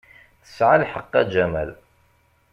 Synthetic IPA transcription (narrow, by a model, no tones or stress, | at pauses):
θə̥sʕalħəqːæd͡ʒæmæ̰l